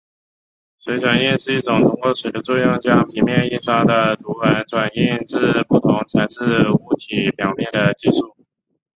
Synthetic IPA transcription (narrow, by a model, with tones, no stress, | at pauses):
swe˧˥ɪʈ͡ʂwa˨˩ni˥˧nʂɻ̩˥˧i˥˩ʈ͡ʂʊ˨˩ŋt̪ʰʊ˥ŋkwɔ˥˩ʂwe˨˥d̪ə˧ʈ͡ʂwɔ˥˧jɑ˥˩ŋt͡ɕja˥pʰi˧˥mjɛ˥˧ni˥˩nʂa˥d̪ə˨ʈ͡ʂ̪u˧˥wə˧˥nʈ͡ʂwa˨˩ni˥˧nʈ͡ʂɻ̩˥˧pu˥˩t̪ʰʊ˧˥ŋt͡sʰa˧˥ɪʂɻ̩˥˩u˧˥t̪ʰi˧˥pjɑ˨˩ʊmjɛ˥˩nd̪ə˩t͡ɕi˥˧ʂu˥˩